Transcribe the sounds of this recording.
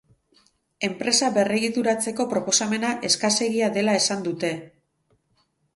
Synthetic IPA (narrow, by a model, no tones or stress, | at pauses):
e̞mpɾe̞saβe̞reɣit̪uɾat͡se̞ko̞pɾo̞po̞same̞naʔe̞skase̞ɣiaðe̞lae̞sand̪ut̪e̞